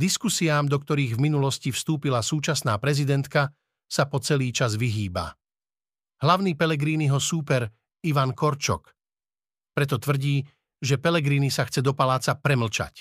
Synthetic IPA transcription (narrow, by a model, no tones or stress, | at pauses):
d̪iskusiaːmd̪ɔkt̪ɔɾiːɣvminulɔscifst̪uːpilasuːt͡ʃasnaːpɾɛzid̪ɛnt̪ka | sapɔt͡sɛliːt͡ʃazʋiɦiːba̰ | ɦlaʊniːpɛlɛɡɾiːniɦɔsuːpɛɾ | iʋankɔɾt͡ʃɔ̰k | pɾɛt̪ɔt̪ʋr̩ɟiː | ʒɛpɛlɛɡɾiːnisaxt͡sɛd̪ɔpalaːt͡sapɾɛml̩t͡ʃa̰c